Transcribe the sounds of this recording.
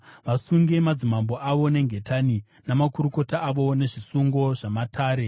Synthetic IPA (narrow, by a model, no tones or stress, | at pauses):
ʋasuŋɡe̞mad͡zimambo̞ʔaʋo̞ne̞ŋɡʱe̞tani | namakuɾuko̞taʔːʋo̞ne̞ʐisuŋɡo̞ʐamatʰaːɾe̞